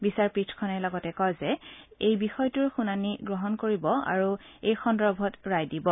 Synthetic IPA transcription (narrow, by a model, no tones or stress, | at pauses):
bisaɹpɹitʰkʰɔnɛlɔɡɔtɛkɔjzɛejbixɔjtuɹxunaniɡɹɔɦɔnkoɹibɔa̰ɹu | ejxɔndɔbʱɔtɹajdibɔ